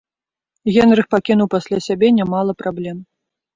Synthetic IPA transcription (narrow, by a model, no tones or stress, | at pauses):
ɣʲɛnɾɨxpakʲinuwpasʲlʲasʲabʲɛnʲamalˠɐpɾablʲɛm